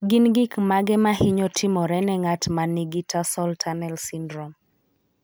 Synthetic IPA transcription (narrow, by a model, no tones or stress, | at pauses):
ɡɪnɡɪkmaɡɛmahiɲɔtʰɪmɔɾɛnɛŋatmaniɡitʰasɔltʰanɛlsindɾɔm